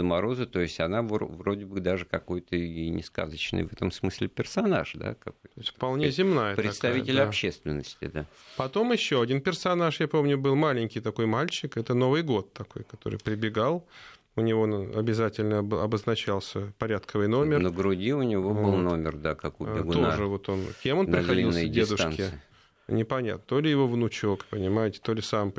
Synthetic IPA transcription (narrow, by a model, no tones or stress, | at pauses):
zəmɐɾo̞zət̪o̞ɪsʲtʲɐnavo̰vɾodʲɪbɨd̪aʐɨkɐko̞jt̪ənʲɪska̰zət͡ɕnə̰jvɛt̪əmsmɨsʲlʲɪpʲɪrsɐna̰ʂd̪a̰kɐkoj̪toɪst̪ʲfpɐlˠnʲezʲɪmnajəpɾʲɪɐst̪ɐvitʲɪlʲɐɕːest̪vʲɪnːəsʲtʲɪ̰d̪a | pɐt̪o̞mɪɕːoɐdʲinpʲɪrsɐnaʂjapo̞mnʲʊbɨlˠmalʲɪnʲkʲɪjt̪ɐko̞jmalʲt͡ɕɪkɛt̪əno̞vɨjɡo̞t̪ːɐko̞̰jkɐt̪o̞ɾɨ̰jpɾʲɪbʲɪɡalˠ | ʊnʲɪvo̞nɐ̰bʲɪzatʲɪlʲnəbɨɐbəznɐt͡ɕalˠsʲəpɐɾʲat̪kʰəvɨjno̞mʲɪrnəɡɾʊdʲiʊnʲɪvoɨlˠnomʲɪrd̪akakʊbʲɪɡ̪oʐɨvo̞t̪o̞nkʲemonpɾʲɪxɐdliilˠːədʲed̪ʊa̰nk̪ʲɪɨ | nʲɪpɐnʲa̰t̪nət̪o̞lʲɪjɪvo̞vnʊt͡ɕo̞kpənʲɪmajɪtʲɪ̥t̪o̞lʲɪsam